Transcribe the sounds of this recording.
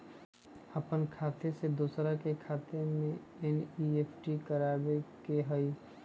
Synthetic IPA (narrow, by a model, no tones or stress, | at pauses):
əpənkʰaːt̪esed̪uːsɾakekʰaːt̪emẽ | ɛnieːpʰʈikəɾaːbekeɦəi